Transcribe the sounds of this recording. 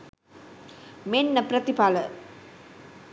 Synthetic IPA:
menːəpɾət̪ipalə

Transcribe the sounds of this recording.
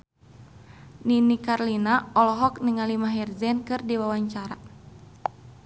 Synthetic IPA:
ninikarlinaɔlɔɦɔk̚nəŋalimaɦɛrzɛnkɨrdiwawaɲt͡ʃaɾa

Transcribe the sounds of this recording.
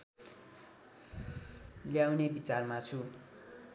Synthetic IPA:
ljawnebit͡sarmat͡sʰu

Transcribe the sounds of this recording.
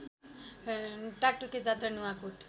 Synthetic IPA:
ʈak̚ʈuked͡zat̪ɾənuakuʈ

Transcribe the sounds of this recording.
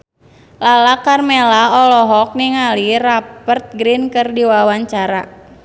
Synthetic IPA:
lalakarmelaɔlɔɦɔk̚niŋalirapərt̪̚ɡɾinkərdiwawaɲt͡ʃaɾa̰

